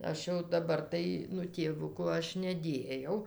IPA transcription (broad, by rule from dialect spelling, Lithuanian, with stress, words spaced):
ˈɐʃ jɛʊ dɐˈbɐr tɐɪ ˈnʊ tʲeːˈʋʊkʊ ˈɐʃ nʲɛˈdʲeːjɛʊ